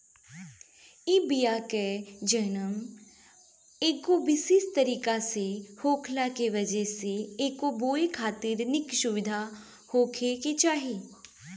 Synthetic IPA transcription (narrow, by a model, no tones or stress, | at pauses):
ibijaked͡ʒɐnəm | eːkobɪsiːst̪ɐɾiːkasehoːkʰlakeʋɐd͡ʒɛseeːkːoboːekʰaːt̪ɪɾnɪksʊʋɪd̪ʱa | hoːkʰeket͡ʃaːɦiː